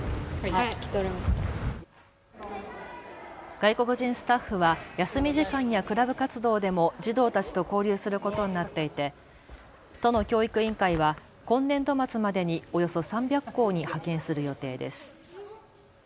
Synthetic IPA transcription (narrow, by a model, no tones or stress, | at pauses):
kʲt̪eɾemaɕt̪a | ɡ̥aiko̞kɯ̟ʑĩɰ̃sɨ̥t̪aɸːɯ̟βajasɨmʲiʑikãɲ̃jakɯ̟ɾabɯ̟kat͡sɨd̪o̞ːd̪e̞mo̞d͡ʑid̪o̞ːt̪at͡ɕi̥t̪o̞ko̞ːɾʲɨːsɨɾɯ̟ko̞t̪o̞ɲ̟inat̪ːe̞it̪e̞ | t̪o̞no̞kʲo̞ːikɯ̟ĩŋkaiβa | kõ̞nːẽ̞nd̪o̞mat͡sɨmad̪e̞ɲ̟io̞jo̞so̞sãmbʲjakːo̞ːɲ̟ihakẽ̞ɰ̃sɨɾɯ̟jo̞t̪e̞ːd̪e̞̰sɨ̥